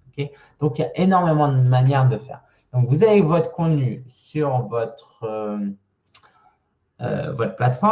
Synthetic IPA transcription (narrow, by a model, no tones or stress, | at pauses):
ɔkʲe | d̪̥ɔ̃kjaʔenɔʁmemɑ̃d̪əmanjɛʁd̪əfɛ̰ːʁ | d̪̥ɔ̃kvuzavevɔt̪χə̥kɔ̃t̪nysyʁvɔt̪χø | ø̰vɔt̪χə̥plat̪fɔ